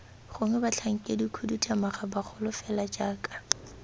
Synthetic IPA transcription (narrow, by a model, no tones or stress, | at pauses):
χʊŋɛbat͡ɬʰaŋ̩kʼedikʰudutʰʼamaχabaχʰʊlʊfɛlad͡ʒaːkʼḁ